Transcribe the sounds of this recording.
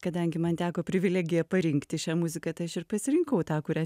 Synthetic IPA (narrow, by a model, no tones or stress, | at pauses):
kɐd̪ɐŋʲɡʲɪmɐnt̪ʲæːkoːpʲɾʲɪʋʲɪlʲæːɡʲɪjɛpɐɾʲɪŋkt̪ʲɪʃʲæːmʊzʲɪkɐt̪ɐɪɐʃɪrpɐsʲɪɾʲɪŋkɐʊt̪ɑːkʊɾʲɛ